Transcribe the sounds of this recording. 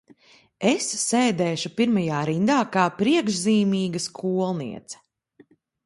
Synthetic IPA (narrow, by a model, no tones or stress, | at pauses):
esːɛːd̪ɛːʃupiɾmajaːɾind̪aːkaːpɾiɛɡʒziːmiːɡɐskʰuɔlˠnḭɛt̪sɛ̥